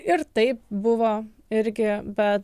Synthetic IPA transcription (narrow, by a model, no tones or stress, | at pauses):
ɪɾt̪ɐɪp̚bʊʋoː | ɪɾʲɡʲɪbʲɛt̪